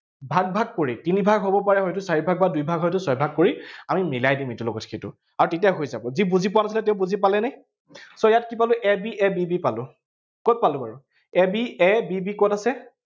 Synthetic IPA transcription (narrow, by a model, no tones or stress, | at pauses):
bʱaɡ̚bʱaɡ̚koɹitinibʱaɡɦobɔpaɹɛɦɔjtʊsaɹibʱaɡ̚badujbʱaɡɦɔjtʊsɔjbʱaɡ̚koɹiamimilajdimetulɔɡɔtxetʊ̰ | aɹutetiaɦojzabɔzibuzipʊwanas̬ilɛt̬ɛ̃ʊ̃buzipalɛnaj | sɔjatkipalʊʔɛbiʔɛbibipalʊ | kɔt̚palʊ̃baɹʊ | ɛbiɛbibikɔtasɛ